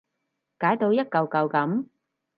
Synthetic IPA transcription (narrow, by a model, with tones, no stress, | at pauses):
kaː˨˥jt̪o˧wjɐ˥t̚kɐ˨wkɐ˨˧wkɐ˨˥m